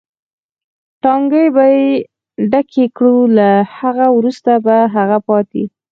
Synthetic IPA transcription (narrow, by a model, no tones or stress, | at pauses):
ʈɑŋɡəjbaje | ɖakʰekɽulahaɣawɾust̪abaɦaɣapɑt̪i